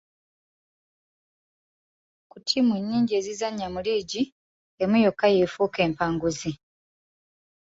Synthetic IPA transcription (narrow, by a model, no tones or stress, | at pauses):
kutʰimuɲːiːɲɟie̞ːzizaɲːamuliːɟi | emujokːajefuːke̞ːmpaːŋɡuzi